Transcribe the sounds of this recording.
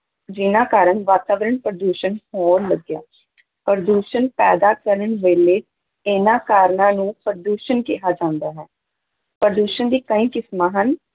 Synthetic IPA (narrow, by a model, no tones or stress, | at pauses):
d͡ʒɪnãːkaːɾəɳʋaːt̪aːʋɾəɳpɾəd̪uːʃənhɔːɾləɡja̰ː | pɾəd̪uːʃənpɛːd̪aːkəɾəɳʋeːleː | ɪnãːkaːɾɳãːnũːpɾd̪uːʃənkeːɦaːd͡ʒãːnd̪aːɦɛː | pɾəd̪uːʃənd̪iːkəĩːkɪsmaːɦən